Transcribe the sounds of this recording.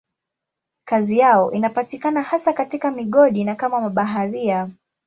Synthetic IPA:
kazijaɔʔinapatikanahasakatikamiɠɔɗinakamamaɓaɦaɾia

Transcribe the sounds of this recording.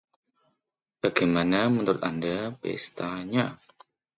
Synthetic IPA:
b̥akemanamənt̪uɾut̪andəpḛst̪aɲa

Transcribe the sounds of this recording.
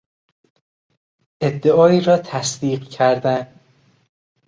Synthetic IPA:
ʔe̞d̪ːe̞ʔɒːiːɾɒːt̪ʰæsd̪iːɢcʰæɾd̪æn

